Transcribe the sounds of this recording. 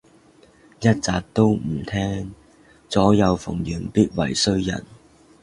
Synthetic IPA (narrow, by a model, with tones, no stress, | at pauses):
jɐ˥t̚t͡saː˨k̚t̪o˥wm̩˨˩t̪ʰɛː˥ŋ | t͡sɔː˨˥jɐ˨˧wfʊ̰˨˩ŋjyː˨˩npiː˥t̚wɐ˨˩jsɵ˥ɥjɐ̰˨˩n